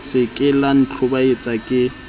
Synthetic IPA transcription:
sɪkʼɪlan̩t͡ɬʰʊbaet͡sʼakʼɪ

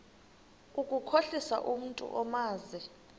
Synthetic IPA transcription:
ukʼukʰoɬisa̰ʔum̩ntʼṵʔɔmaːzɛ

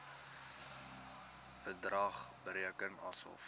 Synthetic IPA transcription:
fədrɐχbəɾiəkənɐ̰sə̰lˠf

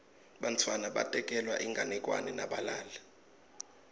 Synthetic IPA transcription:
ɓantʰwanaɓa̰tʼɛkʼɛlwa̰ʔiŋɡʱanɛkʼwa̰nɛna̰ɓalaːla

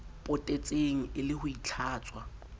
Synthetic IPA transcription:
pʼʊtʼet͡sʼeŋ̩ɪlɪhʊit͡ɬʰaːt͡sʼwa

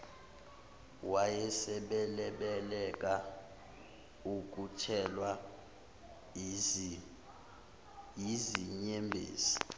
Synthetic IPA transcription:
wajɛsɛɓɛlɛɓɛlɛk̬ʼa | uk̬ʼutʰɛlwa | jiziɲembʱḛːsi̥

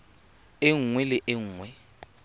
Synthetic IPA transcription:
ɪŋ̩ŋwɛlɪʔɪŋ̩ːŋwɛ

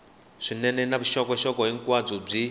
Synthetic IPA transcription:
ʂinɛnɛnaβuʃɔkɔʃɔkɔɦiŋkwad͡zɔb͡ʐi

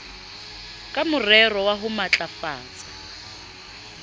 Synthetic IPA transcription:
kʼamʊrɛrɔwaɦʊmat͡ɬʼafaːt͡sʼḁ

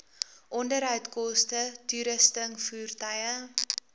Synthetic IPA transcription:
ʔɔndəɾɦœɥtkɔstətyɾəstəŋfuːrtɐjə

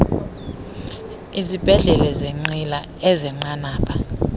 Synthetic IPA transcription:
izib̥ʱɛɮɛlɛzeŋ͡ǀila | ɛzɛŋ͡ǀanaːpʰḁ

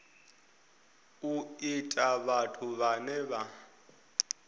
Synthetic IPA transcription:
uitʼaβatʰuβanɛβa

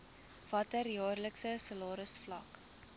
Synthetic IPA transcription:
v̥ɐtərjɑːrləksəsəlɑːɾəsflɐk

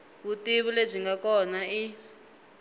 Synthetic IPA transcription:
βutiβuleb͡ʐiŋɡakɔnai

